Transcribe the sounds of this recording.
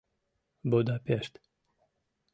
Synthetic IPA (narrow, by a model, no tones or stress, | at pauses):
bod̪apeʃt̪